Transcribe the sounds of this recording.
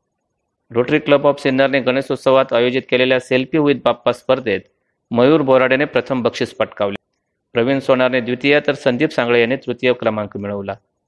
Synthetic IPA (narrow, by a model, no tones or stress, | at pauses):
ɾoʈɾikləbɔfsinːəɾneɡəɽ̃esot̪səʋat̪ajod͡ʑit̪̚keleljaselpiɦuit̪̚bapːaspəɾd̪ʱet̪ | məjuːɾbʱoɾaɽenepɾət̪ʰəmbəkʂiːspəʈkaʋle | pɾəʋinsoɳ̃aɾned̪ʋit̪ijat̪əɾsənd̪ʱipsãŋɡɭejanːit̪ɾut̪jəkɾəmãŋkmiɭəʋla